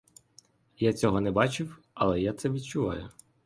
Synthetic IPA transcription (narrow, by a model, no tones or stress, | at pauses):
jat͡sʲɔɦɔnɛbɑt͡ʃɪw | ɐlˠɛjat̪sɛʋʲid̪t͡ʃʊʋɑ̰jʊ